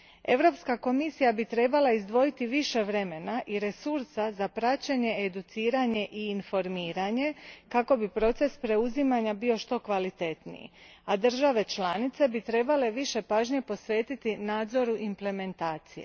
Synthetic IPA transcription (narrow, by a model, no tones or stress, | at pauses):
e̞̰ʋɾo̞pskako̞misijabit̪ɾe̞balaizd̪ʋo̞jit̪iʋiʃe̞ʋɾe̞me̞naʔiɾe̞suɾsazapɾat͡ɕeɲe̞ed̪ut̪siːɾaɲe̞ʔiːnfo̞ɾmiːɾaɲe̞kako̞bipɾo̞t̪se̞spɾe̞uzimaɲabio̞ʃt̪o̞kʋalit̪e̞t̪nḭjḭ | ad̪ər̩ʒaʋe̞t͡ʃlanit̪se̞bit̪ɾe̞bale̞ʋiʃe̞paːʒɲe̞po̞sʋe̞ːt̪it̪inaːd̪zo̞ɾuʔimple̞me̞nt̪aːt̪sijḛ